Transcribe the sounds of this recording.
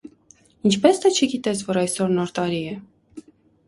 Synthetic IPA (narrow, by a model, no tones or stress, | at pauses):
int͡ʃʰpɛsd̪ɛt͡ʃʰəɡit̪ɛt͡sʰvɔɾɑjsɔɾnɔɾt̪ɑɾiɛ